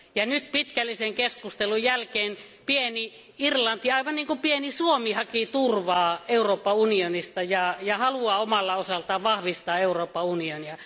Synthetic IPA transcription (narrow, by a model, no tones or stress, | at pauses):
jɑnyt̪̚pit̪kælːiseŋkeskust̪elujjælkeːn | pieni | irlɑnt̪iɑiʋɑnniːŋkupienisuomihɑkit̪urʋɑːeuroːpːɑunionist̪ɑjɑjɑhɑluɑomɑlːɑosɑlt̪ɑːʋɑhʋist̪ɑːeuroːpːɑunioniɑ